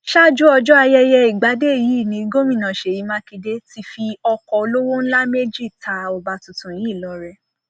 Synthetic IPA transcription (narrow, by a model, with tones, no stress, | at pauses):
ʃa˦˨d͡ʒu˦ɔ˧d͡ʒɔ˦a˧jɛ˧jɛ˧i˨ɡ͡ba˨˦de˦˨ji˨˦˨nĩ˨˦ɡo˦mĩ˦˨nã˨ʃe˨ji˨˧˦mã˦ki˧de˦ti˧fi˧ɔ˧kɔ˧o˧lo˦wo˦n̩˦la˦me˦d͡ʒi˦˨ta˨˦o˨ba˧tu˨tũ˨ji˨˦˨lɔ˨ɾɛ˧